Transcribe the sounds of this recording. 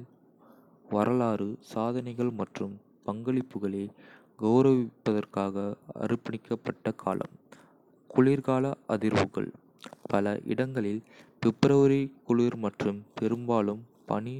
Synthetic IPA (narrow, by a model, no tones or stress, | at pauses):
ʋɐɾʔɐlaːɾɯsaːðɐnɐɪɣɐɭmɐʈrɯm | pɐŋɡɐɭɪpːɯɣɐɭeː | ɡɐʊɾɐʋɪpːɐðɐrkaːɣɐɐ̰ɾɯpɐɳɪkːɐpːɐʈːɐkʰa̰ːlɐ̰m | kʊɭiːɾɣaːlɐʔɐðɪɾʋɯɣɐ̰ɭ | pɐlɐʔɪ̰ɽɐŋɡɐɭɪlpɛpːɾɐʋɯɾɐɪkːʊɭiːɾmɐʈrɯmpɛɾɯmbaːlɯm | pɐ̰ni